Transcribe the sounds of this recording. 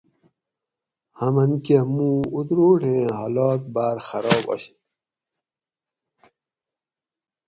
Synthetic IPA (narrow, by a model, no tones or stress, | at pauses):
hɐmɐnkehmũːud̪ɾoːʈẽːɦɐlɔːk̚baːɾxɐɾɔːbɐ̰ɕ